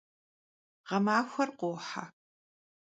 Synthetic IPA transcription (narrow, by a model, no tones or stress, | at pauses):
ʁɐmaːxʷɐrqʷoːħa̰